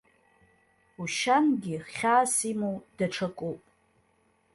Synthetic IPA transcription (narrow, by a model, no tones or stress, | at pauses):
uʃanɡʲiχχʲaːsimowd̥aʈ͡ʂʰakʷʼopʼ